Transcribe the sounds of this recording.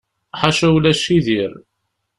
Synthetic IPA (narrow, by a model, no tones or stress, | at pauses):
ħaʃæwlæʃiðiɾ